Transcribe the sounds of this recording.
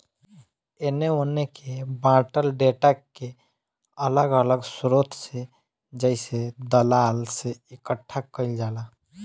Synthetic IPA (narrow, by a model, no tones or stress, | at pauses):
eneonekebãʈəlɖeʈake | ələɡələɡsɾot̪ʰse | d͡ʒəɪsed̪əlalseikəʈʰːakəɪld͡ʒala